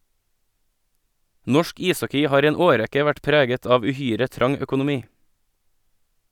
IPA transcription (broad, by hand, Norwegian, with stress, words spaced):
ˈnɔʃk ˈiːˌsɔkɪ ˈhɑːɾ ˈiː ˈeːn ˈoːˌɾɛkə ˈʋæʈ ˈpɾeːɡət ˈɑːʋ ʉˈhyːɾə ˈtɾɑŋ œkʊnʊˈmiː